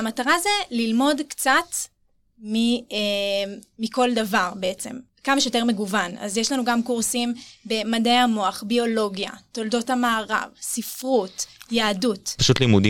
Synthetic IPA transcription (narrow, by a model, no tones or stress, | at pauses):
amataʁazelilmo̞dkt͡sat | mieː | iko̞ldavaʁbeet͡se̞̰m | kamaʃejote̞ʁme̞ɡuvana̰zjeʃlanuɡamkuʁsimbe̞madejamoaχbio̞lo̞ɡja̰to̞ldo̞thamaːʁa̰vsifʁutjaːdutpaʃutlimudi